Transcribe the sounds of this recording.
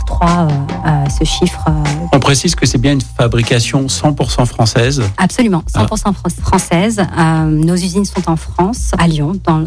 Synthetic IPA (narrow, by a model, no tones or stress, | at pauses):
kχwaøsəʃifχəɔ̃pχesizkəsɛbjɛ̃ynfabʁikʲasjɔ̃sɑ̃puʁsɑ̃fχɑ̃sɛzapsɔlymɑ̃sɑ̃puʁsɑ̃fχɑ̃fχɑ̃sɛzønozyzinsɔ̃t̪ɑ̃fχɑ̃saljɔ̃d̪ɑ̃